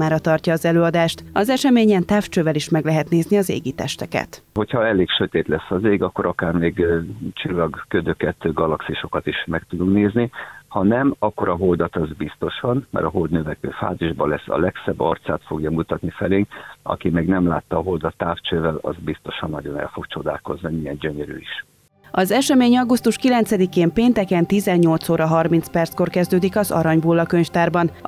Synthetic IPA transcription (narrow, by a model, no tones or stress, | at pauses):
aːɾɒt̪ɒrcɒːzɛløːɒd̪aːʃt̪ɒzɛʃɛmeːɲɛnt̪aːft͡ʃøːvɛliʃmɛɡlɛɦɛt̪neːzniɒzḛːɡit̪ɛ̰ʃt̪ɛkɛ̰t̪ho̞cʰhɒɛleːkʃøt̪eːt̪lɛsːɒzeːɡɒkːo̞ɾʔɒkaːrmeːɡt͡ʃilːɒɡkød̪ø̞kɛt̪ɡɒlɒksiʃo̞kɒt̪iʃmɛkt̪ud̪uŋkneːznihɒnɛmɒkːo̞ɾʔɒɦo̞ld̪ɒt̪ɒzbist̪o̞ʃɒnmɛ̰ɾɒɦo̞ld̪nøvɛkø̰ːfa̰ːziʒbɒlɛsːɒ̰lɛksɛbːɒrt̪saːt̪fo̞ɡjɒmut̪ɒt̪nifɛleːŋɒ̰kimɛɡnɛmla̰ːt̪ːɒːɦo̞ld̪ɒt̪ːaːft͡ʃøːvɛlɒ̰zbist̪o̞ʃɒnːɒɟo̞nɛ̰lfo̞kt͡ʃo̞d̪a̰ːlko̞znimijɛnɟøɲøɾy̰iʃ | ɒzɛʃɛmeːɲɒɡust̪uʃkilɛnsɛd̪ikeːmpeːnt̪ɛkɛnt̪izɛɲːo̞lt̪soːɾɒɦɒrminspɛrt̪sko̞rkɛzd̪øːd̪ikɒzɒ̰ɾɒɲbulːɒkøɲft̪aːrbɒn